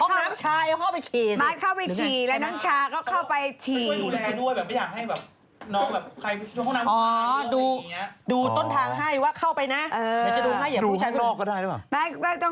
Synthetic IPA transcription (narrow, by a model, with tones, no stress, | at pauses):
ɔ˥˧naː˦˥mt͡ɕʰaː˧jʔa˧˥˩kʰa˥˩pa˧jkʰiː˨˩maː˧˩t̚kʰa˥˩wpa˧jtʰiː˨˩lɛ˦˥nɔː˦˥ŋt͡ɕʰaː˧kɔː˥˩kʰa˥˩wpa˧jt̪ʰiː˨˩˧a˧˩du˥˩jbɛː˨˩p̚ma˥˩jaː˨˩k̚ha˥˩jbɛː˨˩p̚ | nɔː˦˥ŋbɛː˨˩p̚kʰa˧jʰu˧ɔ˥˨na˦˥ʔɔː˨˦˧duː˧i˦˥ɐduː˧t̪o˥˩nt̪ʰaː˧ŋɦa˥˩jwaː˥˩kʰa˥˩wpa˧jna˦˥ʔɤː˧˨˧t͡ɕa˨˩duː˧ɦa˥˩ja˨˩˦uː˦˧˥aː˧pʰa˥˩ɔː˥˩kːɔ˥˩daː˥˩jlɯ˦˩paː˨˩mɛ˦˥kɔː˥˩t̪ɔ˥˩ŋ